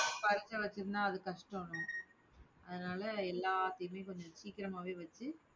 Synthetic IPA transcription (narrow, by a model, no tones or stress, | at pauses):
pɐɾɪt͡ʃːɐʋɐt͡ʃːɯɾɯnãːɐðɯkɐʂʈɐːɳʊ̃ | ʔɐðɯnaːlɐɛlːaːt̪ːɐjɯmeːkɔɲd͡ʒɔ̃siːkːɪɾɐmaːʋeːʋɐt͡ʃːɯ